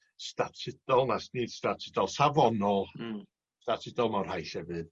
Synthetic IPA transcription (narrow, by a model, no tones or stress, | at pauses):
statʰɪd̥ɔlˠnasnid̥statʰɪdɔlˠsavɔnɔlˠ | statʰɪdɔlˠmawr̥hajɬhɛvɨð̥